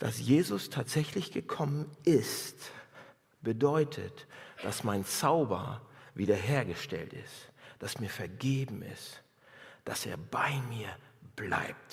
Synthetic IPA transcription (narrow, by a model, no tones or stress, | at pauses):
d̥a̰sjeːzʊstʰaːtz̥ɛçlɪçɡ̥əkʰɔmənʔɪst | b̥ədɔʏtʰə̰td̥asmaɪnt͡saʊbɐ̰viːdɐɦeːɐɡəʃtɛ̰ltɪ̰std̥asmiːɐfɛɐɡeːbm̩ɪ̰st | d̥asḛːɐbaɪmiːɐb̥la̰ɪp̚t